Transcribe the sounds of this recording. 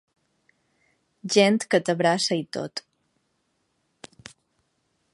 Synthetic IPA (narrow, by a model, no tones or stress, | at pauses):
ʒent̪kət̪əβɾasəit̪o̰t̪